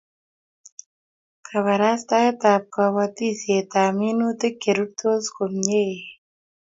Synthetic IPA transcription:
kʰa˨βa˨ɾa˦st̪a˦je˦t̪a˨p̚ka˨wa˦t̪i˦se˨t̪a˨mi˦nu˦t̪e˦ke˨ɾu˦ɾ̚t̪o˦sko˨mɲe˦e˨

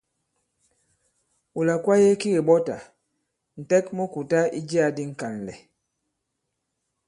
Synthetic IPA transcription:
u˨la˨kwa˦je˦ki˦ɣe˨ɓɔ˦ta̰˨ | n̩˨tɛ˦kmo˦ku˨ta˦i˦d͡ʒi˦a˨di˦ŋ̩˨ka˨n˨lɛ̰˨

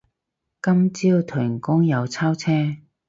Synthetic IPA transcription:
kɐ˥mt͡siː˥wt̪ʰɵ˨˩ŋkʊ˥ŋjɐ˨˧wt͡sʰaː˥wt͡sʰɛː˥

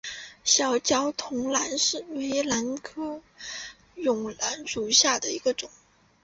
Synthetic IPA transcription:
ɕjɑ˨˩ʊt͡ɕjɑ˥ʊt̪ʰʊ˧˥ŋla˧˥nʂɻ̩˥˩we˧˥ɪla˧˥nkʰɤ˥ | jʊ˨˩ŋla˧˥nʂu˨˩ɕja˥˩d̪ə˩i˧˥ɡə˧ʈ͡ʂʊ˨˩˦ŋ

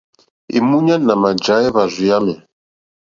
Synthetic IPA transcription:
ḭ˨mu˦ɲa˦na˨ma˨d͡ʒa˦ɛ˦βa˨zʷi˨ja˦mɛ˨

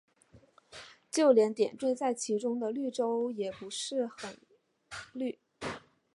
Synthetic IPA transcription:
t͡ɕjo˥˩ʊljɛ˧˥nt̪jɛ˨˩nt̪we˥˧ɪt͡sa˥˩ɪt͡ɕʰi˧˥ʈ͡ʂʊ˥ŋd̪ə˨ly˥˩ʈ͡ʂo˥ʊjɛ˨˩pu˧˥ʂɻ̩˥˩xə˨˩n | ly˥˩

